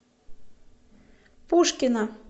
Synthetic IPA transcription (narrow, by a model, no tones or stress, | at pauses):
puʃkinɑ